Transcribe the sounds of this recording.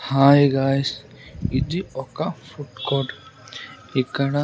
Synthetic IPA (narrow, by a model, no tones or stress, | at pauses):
hajɡajs | idiɔkafuʈkɔɖ | ekaɽa